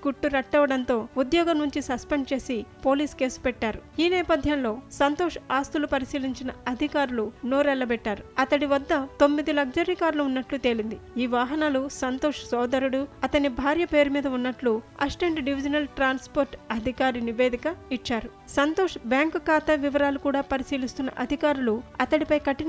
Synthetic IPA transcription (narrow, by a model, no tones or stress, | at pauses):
kuʈːuɾɐʈːɐʋɐɽɐnt̪o̞ːud̪jɔːɡɐmnːuɲt͡ʃisɐspeɳɖt͡ʃe̞ːsipo̞ːliːske̞ːsu̥pɛʈːaːɾuiːnɛːpɐd̪ʱjɐnlo̞ːsɐnt̪oːʂaːst̪ulupɐɾisiːliɲt͡ʃinɐɐd̪ʱikaːɾulunoːɾɛlːɐbɛʈːaːɾuɐt̪ɐɽiʋɐd̪ːɐt̪o̞mːid̪ilɐɡd͡ʒɐɾikaːɾluːnːɐʈlut̪e̞ːlind̪iiːʋaːɦɐnaːlusɐnt̪oːʂsɔːd̪ɐɾuɽuɐt̪ɐnibʱaːɾjɐpe̞ːɾumiːd̪ɐunːɐʈluɐ̰sʈeɳʈɖiʋid͡ʒɐnɐlʈɾaːnspoːɾʈɐd̪ʱikaːɾiniʋeːd̪ʱikɐit͡ʃːaːɾu | sɐnt̪oːʂbjaːŋkkaːt̪ɐʋiʋɐɾaːlukuːɽaːpɐɾisiːlist̪unːɐ̰ʔɐd̪ʱikaːɾuluɐt̪ɐɽipɐjkɐʈːin